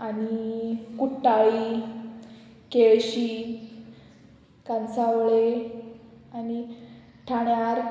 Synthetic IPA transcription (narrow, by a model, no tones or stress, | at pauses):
anikuʈːaɭi | keɭɕi | kãnsaʋɭe | ani | ʈʰaɳjaɾ